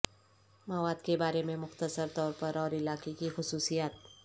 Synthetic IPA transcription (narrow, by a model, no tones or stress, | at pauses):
mɐʋaːd̪kebaːɾemẽmʊxt̪əsəɾt̪ɔːɾpɐɾɔːɾɪlaːkekixʊsuːsijaːt̪̚